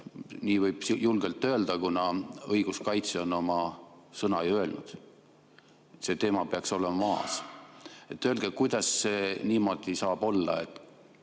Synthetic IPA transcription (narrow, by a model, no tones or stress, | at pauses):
niːvɤjb̥julɡ̥e̞lt̪ːˑø̞ːld̪̥ɑkunɑɤjɡ̥uskɑjt̪seo̞no̞mɑsɤnɑjø̞lnud̪̥ | et̪ːse̞t̪e̞ːmɑpeɑkso̞le̞mɑmɑːs | e̞t̪ːølɡ̥ekujd̪̥ɑsːe̞niːmo̞d̪̥isɑːb̥o̞lːɑ̰e̞t̪ːˑ